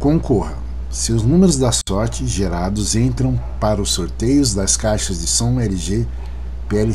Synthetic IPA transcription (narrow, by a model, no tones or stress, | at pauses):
kõkohɐ | seʊznũmeɾʊzd̪ɐsɔɾt͡ʃɪʒeɾad̪ʊzẽnt̪ɾɐ̃w̃ | paɾɐʊsːoɾt̪ejʊzd̪ɐskajʃɐzd͡ʒɪsɐ̃w̃ɛɾɪʒe | peɛlɪ